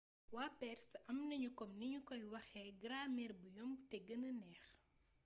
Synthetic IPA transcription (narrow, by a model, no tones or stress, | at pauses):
waːpɛrsɐmnɐɲukɔmnɐɲukɔjwɐxɛɡɾaːmɛrbujɔmtɛɡɐnɐnɛːx